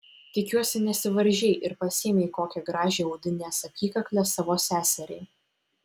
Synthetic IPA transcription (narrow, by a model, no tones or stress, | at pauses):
t̪ʲɪkʲuɔsʲɪnʲɛsʲɪʋɐɾʲʒʲɛɪʔɪɾpɐsʲeːmʲɛɪkoːkʲɛɡɾɑːʒʲeːɔʊd̪ʲɪnʲeːsɐkʲiːkɐklʲɛsɑʋoːsʲæːsʲɛɾʲɛɪ